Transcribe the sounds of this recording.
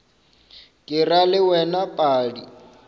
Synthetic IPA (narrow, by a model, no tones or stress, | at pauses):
kʼɪralɪwɛnapʼaːdi